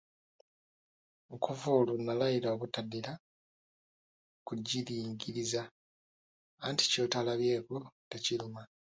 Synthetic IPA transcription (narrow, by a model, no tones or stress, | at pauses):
ŋkʰovolunːalaiɾaokutadila | kuɟːiɾiːŋɡiɾiza | nti̥co̞talaβje̞ːkote̞ciluma